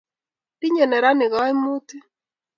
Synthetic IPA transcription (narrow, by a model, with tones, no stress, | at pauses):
ti˦ɲɔ˨nɛ˨ɾa˦nɪ˨ɡɔ˨˦ɛ˦mu˦ti˦